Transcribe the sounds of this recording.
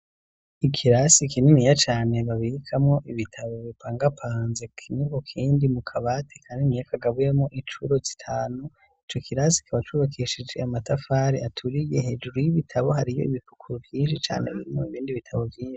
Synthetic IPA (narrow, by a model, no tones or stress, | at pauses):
ikʰiɾasikininijat͡ʃaːne̞βaβiɾikʰamŋo̞ʔiβitʰaβo̞βipʰaːŋɡapʰaːnzekʰinikokʰiːndimukʰaβatʰe̥kʰaːndinijakʰaɡaβujemŋo̞ʔint͡ʃuɾo̞zitʰaːnu | it͡ʃo̞kʰiɾasi̥kʰaβat͡ʃuːβakʰeʃid͡ʒe̞amatafaɾiatʰuɾijehe̞ːd͡ʒuɾujiβitʰaβo̞ɦaɾijo̞̰iβifukʰuɾuvjiːnʃit͡ʃa̰ːnḛβḭɾimo̰iβiːndiβitʰaβo̞vjiːʃi̥